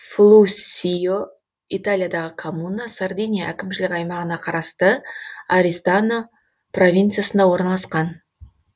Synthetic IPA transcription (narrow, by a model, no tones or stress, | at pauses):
flˠusijo | it̪alʲijad̪ɑʁəkʰomunasard̪ijnʲijaʔækʲɪmʃɪlɪkʲɑjmɑʁənɑqʰɑɾɑst̪əaɾist̪ano | pro̞vʲijnt̪sɨjasənd̪ɑwo̞ɾnɑlˠɑsqɑn